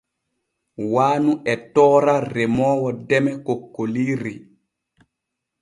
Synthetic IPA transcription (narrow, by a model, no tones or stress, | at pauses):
waːnuʔɛtɔːɾarɛmɔːwɔdɛmɛkokːoliːɾi